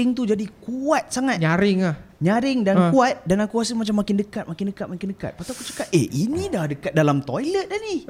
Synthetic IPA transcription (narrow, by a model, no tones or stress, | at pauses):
ɪŋt̪ud͡ʒadikuat̪̚saŋat̪ɲaɾɪŋlahɲãɾɪŋdankuat̪̚danakuasəmat͡ʃamakɪndəkat̪̚makɪndəkat̪̚makɪndəka̰t̪̚pat̪uakut͡ʃə̥kap̚einĩdahdəkat̪̚dalamt̪ojlət̪̚ani